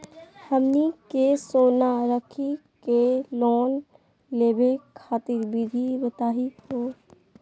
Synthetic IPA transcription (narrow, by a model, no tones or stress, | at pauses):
həmnikesoːnaɾəkʰikeloːn | leːbekʰaːt̪ɪɾbʱib̪ʱibət̪aːɦioː